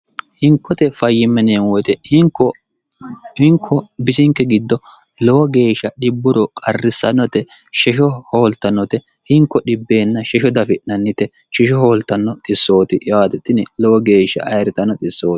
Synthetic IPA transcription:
hɪŋkːɔt̪ɛfɐjːɪmːɛneːnwɔjt̪ɛh | hɪŋkʰːɔbɪsɪŋkːɛɡɪd̪ːɔ | lɔwɔɡe̞ːʃːɐɗɪbːʊɾɔkʼɐrːɪsːɐnːɔt̪ɛ | ʃɛʃɔhoːlt̪ɐnːɔt̪ɛ | hɪŋkːɔɗɪbːe̞ːnːɐʃɛʃɔd̪ɐfɪʔnɐnːɪt̪ɛ | t͡ʃɪʃɔhoːlt̪ːɐnːɔt̪ʼɪsːo̞ːt̪ɪʔjaːt̪ɛt̪ːɪnɛlɔwɔɡe̞ːʃːɐ̰ʔɐjɾɪt̪ɐnːɔt̪ʼɪsːoː

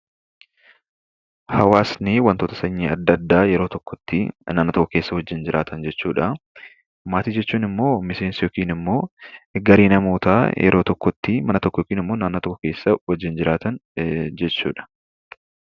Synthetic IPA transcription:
hɐwaːsnɪwɐnt̪oːt̪ɐsɐɲːiːɐd̪ːɐd̪ːaːjɛɾoːt̪ɔkːɔt̪ːɪnaːnːoːt̪ɔkːɔke̞ːsːɐhɔd͡ʒːɪnd͡ʒɪɾʔaːt̪ʰɐnd͡ʒɛt͡ʃːuːᶑɐ | maːt̪iːd͡ʒɛt͡ʃːuːnɪmːo̞ːmɪse̞ːnsɪjɔkiːnɪmːo̞ːɡɐɾiːnɐmoːt̪aːjʔɛ̰ɾʔo̞ːt̪ɔkːɔt̪ːɪmɐnɐt̪ɔkːɔjkiːnɪmːo̞ːnaːnːoːt̪ɔkːɔke̞ːsːɐwɔd͡ʒːɪnd͡ʒɪɾaːt̪ɐnd͡ʒɛt͡ʃːṵːᶑɐ̥

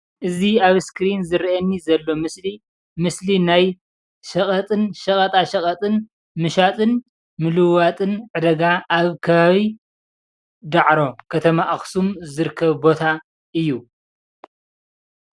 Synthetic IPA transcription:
ʔɨziaβskɾinzɨɾiʔɐnːizɐlːo̞mɨsli | mɨslinaj | ʃɐkʼɐt̪ʼɨnʃɐkʼɐt̪ʼaʃɐχʼɐt̪ʼɨn | mɨʃat̪ʼɨn | mɨlɨwat̪ʼɨnʕɨd̪ɐɡaʔaβkʰɐβaβi | d̪aʕɾo̞kʰɐt̪ʰɐmaʔaxsumzɨɾɨkʰːɐβbo̞t̪ʰa | ʔɨjːu

